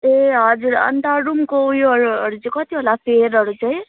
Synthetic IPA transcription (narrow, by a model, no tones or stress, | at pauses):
eɦʌd͡zuɾʌ̰nt̪aɾumkoujɦʌɾuʌɾut͡sĩkʌt̪iɦolapʰeɾʌɾut͡saj̃